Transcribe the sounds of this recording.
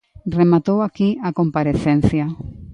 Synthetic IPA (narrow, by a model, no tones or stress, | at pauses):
remat̪owakiakompaɾeθẽn̟θja